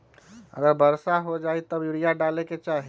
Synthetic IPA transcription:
ə̰ɡəɾbəɾsaɦod͡ʒait̪əbjuɽijaɖaleket͡ʃaɦi

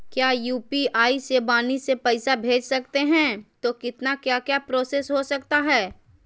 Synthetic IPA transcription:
kjaːjuːpiaːisebaːnisepɛɪsabʱeːd͡ʒsɐkt̪eɦɛ̃ːt̪oːkɪt̪nakjaːkjaːpɾoːseːsɦosɐkt̪aɦɛː

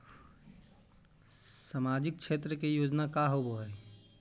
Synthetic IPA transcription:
samaːd͡ʒɪk̚kʃʰeːt̪ɾəkejoːd͡ʒnakaɦoboɦɛː

